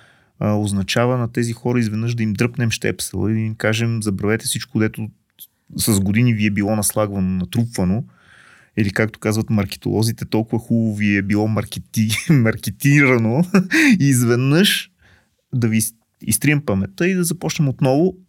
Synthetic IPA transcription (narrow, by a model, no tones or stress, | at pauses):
əoznɐt͡ʃavənɐt̪ɛzixɔɾəizvɛd̪nɤʃd̪ɐimd̪ɾɤpnɛmʃt̪ɛ̰psɛ̰lˠə̰id̪ɐimkaʒɛmzɐbɾɐvɛt̪ɛfsit͡ʃkod̪ɛt̪o | sɐzɡod̪iniviɛbilˠɔnɐslˠaɡvɐnonɐt̪ɾupvɐno | ilikak̚t̪o̥kazvɐt̪mɐɾkɛ̥t̪o̰lˠɔzit̪ɛt̪ɔlˠkʊvɐxubˠʊviɛbilˠɔmɐɾkɛt̪imɐɾkɛt̪iɾɐnoiːzvɛd̪nɤʃ | d̪ɐvi | ḭst̪ɾiɛmpɐmɛt̪əid̪ɐzɐpɔt͡ʃnɛmot̪nɔvʊ